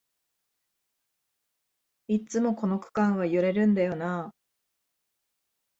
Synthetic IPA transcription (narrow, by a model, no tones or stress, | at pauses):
it͡sɨmo̞ko̞no̞kɯ̟̥kãɰ̃βajɯɾe̞ɾɯ̟̃nd̪ajo̞na